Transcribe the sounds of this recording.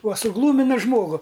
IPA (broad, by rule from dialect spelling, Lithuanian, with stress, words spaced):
uɔ sʊˈɡlˠuːmʲɪnɐ ˈʒmoːɡʊ